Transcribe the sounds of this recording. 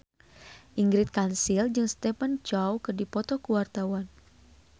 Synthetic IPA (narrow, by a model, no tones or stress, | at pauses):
ʔiŋɡɾɪt̪̚kansild͡ʒɨŋst̪ɛpant͡ʃawkɨrdipɔt̪ɔkuwart̪awan